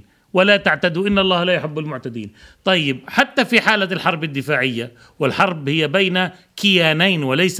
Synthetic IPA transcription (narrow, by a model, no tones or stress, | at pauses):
walat̪aʕt̪ad̪uʔɪnːɑlˤːɑːhlaːjʊħɪbːalmʊʕt̪ad̪ḭːnt̪ˤɑjːɪb̚ħat̪ːafiħaːlalħɑɾˤbɪd̪ːɪfaːʕɪjːa | wɪlħɑɾˤbhɪjːabajna | kɪjaːnajnwɪlajs